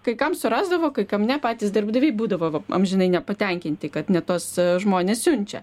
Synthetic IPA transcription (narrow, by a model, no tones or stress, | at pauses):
kɐɪkɐmsʊɾɑːzd̪ɐʋoːkɐɪkɐmʲnʲɛpɑːt̪ʲiːsd̪ʲɪrbd̪ɐʋʲiɪbuːd̪ɐʋoːʋɐɐ̰mʒʲɪnɐɪnʲɛpɐt̪ʲɛŋʲkʲɪnʲt̪ʲɪkɐt̪nʲɛt̪oːsʒmoːnʲeːssʲʊnʲt͡ʃʲɛ̰